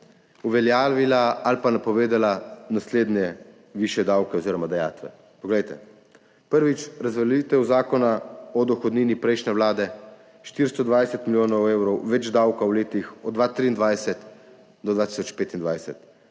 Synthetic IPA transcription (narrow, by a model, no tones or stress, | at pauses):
uʋɛljaːʋilaalpanapɔʋeːd̪alanasleːd̪nʲjɛ | ʋiʃjɛd̪awkɛɔziːɾɔmad̪aja̰ːt̪ʋɛ̰ | pɔɡlɛjt̪ɛ̰ | pəɾʋit͡ʃɾazʋɛlit̪ɛwzaːkɔnaɔd̪ɔxɔd̪niːnipɾɛjʃnɛʋlaːd̪ɛ | ʃt̪iɾst̪ɔd̪ʋajsɛt̪miljoːnɔweːwɾɔwʋɛd͡ʒd̪awkawleːt̪ixɔd̪d̪ʋat̪ɾiːnd̪ʋajsɛt̪ | d̪ɔd̪ʋat̪i̥sɔt͡ʃpeːt̪ind̪ʋajsɛt̪